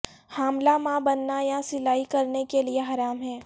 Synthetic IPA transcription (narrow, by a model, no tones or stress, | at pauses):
haːmlamãbɐnːajasɪlaːikɐɾnekelieɦaːɾaːmɦɛː